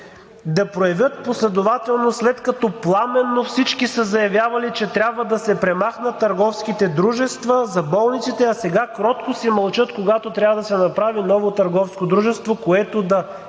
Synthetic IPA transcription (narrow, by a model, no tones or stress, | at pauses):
d̪ɐpɾojɐvʲjət̪̚poslɛd̪ovat̪ɛlˠnoslɛt̪kɐt̪ɔplˠamɛnːofsit͡ʃkisəzɐjɐvʲjavɐlit͡ʃɛt̪ɾʲabvəd̪ɐsɛpɾɛmaxnɐt̪ːɐɾɡɔfskit̪ɛd̪ɾuʒɛst̪vɐzɐbɔlˠnit̪sit̪ɛɐsɛɡakɾɔt̪kosimɐlˠt͡ʃɤt̪koɡat̪ot̪ɾʲavəd̪ɐsɛnɐpɾavinɔvot̪ɐɾɡɔfskod̪ɾuʒɛst̪vokoɛt̪od̪ɐ